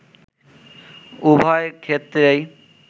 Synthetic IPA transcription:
ubʱaeɾkʰet̪ːɾe

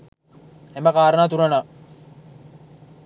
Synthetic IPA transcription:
embəkaːɾənaːt̪uɾɐna

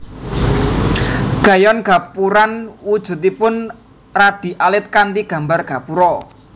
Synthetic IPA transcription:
ɡ̥a̤jɔnɡ̥a̤puɾanwud̥ʒ̥ṳt̪ipʊn | rad̪̥i̤ʔalɪt̪̚kant̪iɡ̥ä̤mbarɡ̥a̤puɾɔ

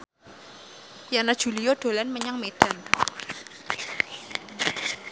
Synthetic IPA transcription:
janad̥ʒ̥ṳlijoɖ̪̥o̤lanməɲaŋmeɖ̥a̤n

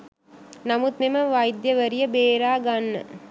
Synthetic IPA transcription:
nɐmut̪mɪmɐʋaːjd̪jɐʋɐɾijɐbeːɾaːɡɐnːɐ̰

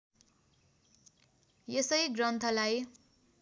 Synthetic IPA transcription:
jesʌjɡrʌnt̪ʰʌlaj

